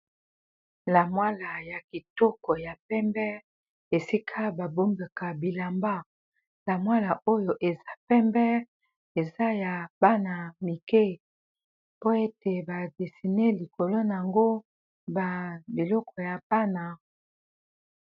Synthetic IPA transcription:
la˨mwa˦la˨ja˨ki˨tɔ˦kɔ˨ja˨pɛ˦mbɛ˦ | e˨si˦kʰa˦ba˨bo˦mba˨ka˨bi˨la˨mba˦ | la˨mwa˦la˨ʔo˦jo˨ʔe˨za˦pɛ˦mbɛ˦ | e˨za˦ja˨b̥a˦na˨mi˨ke˦ | po˦e˦te˨ba˨de˨si˨ne˦li˨ko˨lo˦na˨a˨ŋɡo˦ | ba˨be˨lɔ˦kɔ˨ja˨pa˦na˨

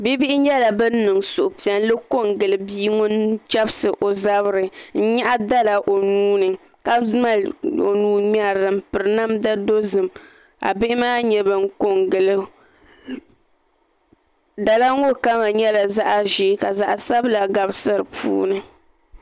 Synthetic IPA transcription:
bi˦bi˦ʔɪ˦ɲɛ˦la˨bɨ˦n̩˦nɨ˨ŋsʊ˨ʔʊ˨pi˨a˨n˦lɨ˦ko˦ŋɡɨ˨lɨ˨biː˦ŋʊ˦n˦t͡ʃa˦bɨ˦sɨ˨ʔo˨za˦bɨ˦ɾɨ˨n̩˦ɲa˦ʔa˦da˦la˨ʔo˨nuː˦nɨ˨ | ka˦ma˦lo̰˨nuː˦ɲa˦ɾdɨ˨m˦pɨ˨ɾɨ˨˦na˦mda˦do˦zɨ˨m | a̰˨bɪ˦ʔɪ˦maː˦ɲɛ˨bɨ˨ŋ˦ko˦ŋɡɨ˨lɨ˦ | da˨la˦ŋ˦o˦ka˦ŋa˨ɲɛ˦la˨za˦ʔa˦ʒi˦ka˨za˨ʔa˨sa˦bla˨ɡa˨bɨ˦sɨ˦ɾɨ˨pʰṵː˦nɨ˨

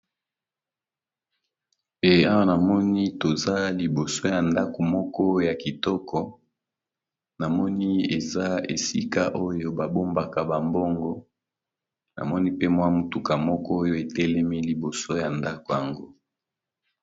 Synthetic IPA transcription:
pe˦a˦wa˦na˨mɔ˦ni˦to˨za˦li˨bo˨so˦ja˨nda˦ko˨mɔ˦kɔ˦ja˨ki˨tɔ˦kʰɔ˦ | na˨mɔ˦ni˦e˨za˦ḛ˨si˦ka˦ʔo˦jo˦ba˨bo˦mba˨ka˨ba˨mbɔ˦ŋɡɔ˦ | na̰˨mɔ˦ni˦pe˦mwa˦mu˨tu˨ka˨mɔ˦kɔ˦jo˦e˨tɛ˦lɛ˦mi˦li˨bo˨so˦ja˨nda˦ko˨ja˨ŋɡo˦

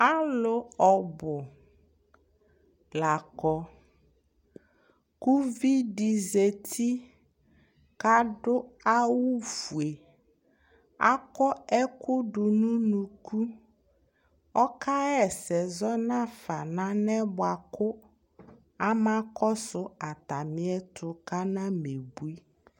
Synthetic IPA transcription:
a˦lʊ˨ɔ˨bʊ˨ | la˨kɔ˨ | ku˦vi˦ɖi˨ze˨t̪ʰi˦ | ka˦ɖʊ˦a˦wu˦fu˨e˨ | a̰˦kɔ˦ɛ˦kʊ˦ɖʊ˨nũ˦nũ˨ku˦ | ɔ˦ka˦ɛ˦˨sɛ˨zɔ˦nã˦fa˨nã˦nɛ˦bʊ˦a˨kʊ˦ | a˦mã˦kɔ˦sʊ˦a˨t̪a˨mɪ̃˦ɛ˦tʰʊ˨ka˦nã˦me˨bu˦i˦

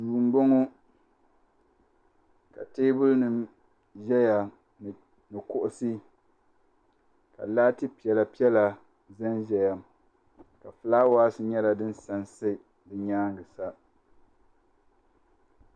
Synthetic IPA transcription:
duː˨n̩˦ɡ͡bo˦ŋo˦ | ka̰˨teː˦bʊ˦lnɨ˨m | ʒɛ˦ja˨ | nɨ˨kʊ˦ʔʊ˦sɨ˦ | ka̰˨laː˦tɨ˦pi˨ɛ˨la˨pi˦ɛ˦la˨ | za˦nʒɛ˨ja˨m | ka˨flaː˦waː˦sɨ˨ɲɛ˦la˦dɨ˦n˦sa˨nsɨ˦ | dɨ˨ɲaː˦ŋɡɨ˨sa˦

